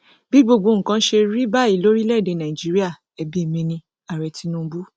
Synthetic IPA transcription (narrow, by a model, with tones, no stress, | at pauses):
bi˦bo˧ɡ͡bo˧ŋ̩˨kã˧˦ʃe˧ɾi˦ba˦i˦˨lo˦ɾi˦lɛ˦˨de˨˧˨nã˨i˨d͡ʒi˦ɾi˦a˦˨ | ɛ˨bi˦e˦˨mĩ˧nĩ˧ | a˨ɾɛ˨ti˨˦nũ˦bu˦